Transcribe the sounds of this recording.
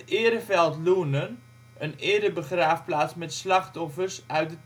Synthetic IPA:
ɪəɾəfɛlˠtluənən | ənɪədəbəχraːfplaːtsmɛtslɑχtɔfərsœɥt̚də

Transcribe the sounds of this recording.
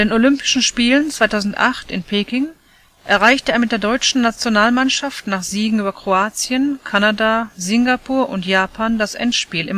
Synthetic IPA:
deːnolʏmpɪ̥ʃn̩ʃpiːlənt͡sv̥aɪtʰaʊzn̩tʔa̰χtɪnpʰeːkɪŋ | ʔɛɐʁaɪçtəeːɐmɪtdeːɐdɔʏt͡ʃn̩ːat͡sjonaːlmanʃaftnaːχz̥iːɡŋ̩yːbɐkʁ̥oaːt͡sjənkʰanadazɪŋɡapʰuːɐʔʊntjaːpʰaːndasʔɛ̰ntʃpiːlɪ̰m

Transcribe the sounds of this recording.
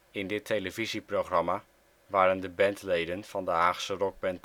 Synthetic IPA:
ɪndɪtʰejləviziprowχrɑmaː | ʋaːɾəndəbɛntlejdənv̥ɑndəaːχsərɔɡ̚bɛnt

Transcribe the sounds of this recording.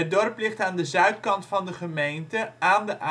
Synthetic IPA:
ət̚dɔrplɪχtaːndəzœɥtkɑntfɑndəχəmejntəʔaːndəʔa

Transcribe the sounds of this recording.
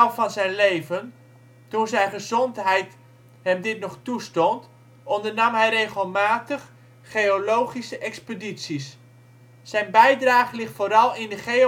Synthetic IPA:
vɑnzɛjnlejvən | tunzɛjnχəzɔntɦɛjt | ɦɛmdɪtnɔχtustɔnt | ɔndərnɑmɦɛjrejχəlˠmaːtəχ | χejolowχisəʔɛkspəditsis | z̥ɛjnbɛjdraːχəlɪχtfoːɾɑlˠɪndəχe

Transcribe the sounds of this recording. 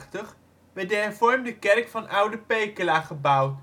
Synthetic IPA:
təχ | ʋɛt̚dəɦɛɹvɔɹmdəkɛrkfɑnʔʌwdəpejkəlaːχəbʌw

